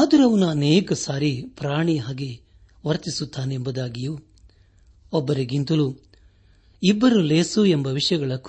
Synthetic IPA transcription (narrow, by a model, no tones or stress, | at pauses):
aːd̪ɐɾɐʋɐnuɐnɛːkɐsaːɾipɾaːɳiaːɡi | ʋɐɾt̪isut̪ʰːaːneembud̪aːɡiju | ɔbːɐɾiɡint̪ɐlu | ibːɐɾuleːsuembɐʋiʂɐjɐɡɐɭɐk